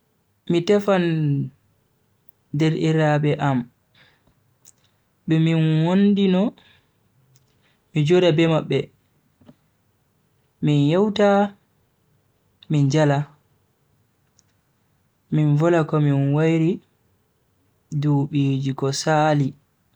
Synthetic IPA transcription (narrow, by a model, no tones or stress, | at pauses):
mitɛfan | dɛɾʔiɾabɛʔam | ɓɛminwondinɔ | mid͡ʒoɾabɛmaɓːɛ | minjɛwta | mind͡ʒala | minvɔlakɔminwajɾi | duːɓiːd͡ʒikɔsaːli